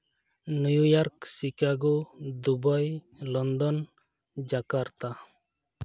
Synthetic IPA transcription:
nujujɔɾksikaɡod̪ubaj | lɔnd̪ɔn | d͡ʒakaɾt̪a

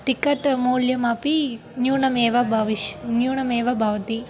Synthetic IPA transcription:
ʈikːɐʈmoːljɐmaːpi | njuːnɐmeːʋɐbʱɐʋiʃnjuːɳɐmeːʋɐbʱaʋɐt̪i

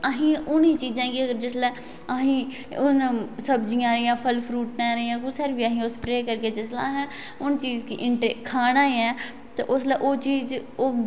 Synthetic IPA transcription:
əɦĩːʊniːt͡ʃiːzãːkɪəɡəɾd͡ʒɪslɛː | əɦĩː | ʊnsəbd͡ʒĩjãːɾiːãːpʰəlpʰɾuːʈnɛːɾəiːãːkʊsəɾbiːəɦĩːospɾeːkəɾkeːd͡ʒɪslaːɦɛ̃ː | ʊnt͡ʃiːzkiʔɪɳʈekʰaːnãːiɛː | t̪aʔʊslɛːʔoːt͡ʃiːzoː

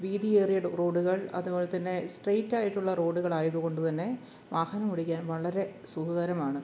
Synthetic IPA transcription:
ʋiːɾieːrijɐɽuro̞ːɖuɣɐɭɐ̰ðuboːlet̪ːɐnːe̞sʈrejtːaːjiʈːuɭːɐro̞ːɖuɣɐɭaːjɐðuɣo̞ɳɖut̪ɐnːe̞ | ʋaːhɐnɐmuɽikʲːaːnʋɐɭɐɾe̞suːhɐðɐɾɐmaːɳɨ

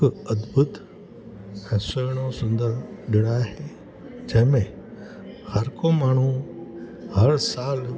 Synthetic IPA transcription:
ɐd̪bət̪ | ɛ̃ːsəːɽ̃osʊ̃nd̪əɾɗɪɽ̃aːɦe | d͡ʒɐ̃ɦɪ̃mẽ | hɐɾkomaːɳ̤u | hɐɾsaːl

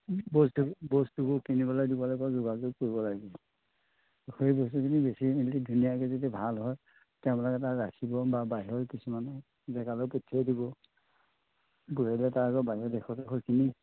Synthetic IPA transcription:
bɔstubɔstubɔkinibɔladibɔlajpɔzʊɡazuɡ̚koɹibɔlaɡi | kʰoebɔstukʰinibesiilidʱunijakɛzetɛbʱalɦɔj | tɛbɛlɔkɛtaɹakʰibɔbabaɦiɔɹkisuman | zɛkalɔpɔtʰːiɛdibɔ | ɡuɹelɛtaɹaɡɔbaɦiɔɹdɛkʰɔtɦʰɔkʰini

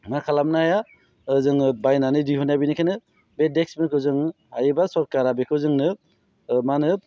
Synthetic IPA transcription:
maɾkʰalamnaaja | ɯzɯŋbajnanɯdiɦɔnabinikʰenɯ | bedeksmikʰɯwzɯŋ | hajbasɔɾkaɾabekʰɯwzɯŋnɯ | manɯ

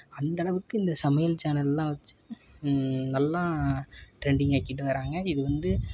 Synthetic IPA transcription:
ɐnd̪ɐɽɐʋɯkːɯɪnd̪ɐsɐmɐjɐlt͡ʃaːnɐllːãːʋɐt͡ʃːɯ̥ | nɐlːaːʈɾɛɳɖɪŋɡaːkːiʈ̬ːɯʋɐɾaːŋɡɐɪðɯʋɐnd̪ɯ

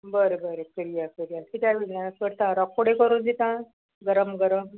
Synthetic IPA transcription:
bəɾebəɾekəɾijakəɾijakit̪jaʋinjasʋəɾt̪aɾakʰːoɽekəɾund̪it̪ã | ɡəɾəmɡəɾəm

